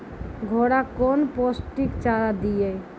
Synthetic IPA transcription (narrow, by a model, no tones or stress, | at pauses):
ɡʱoɽakoːnposʈikt͡ʃaɾad̪ije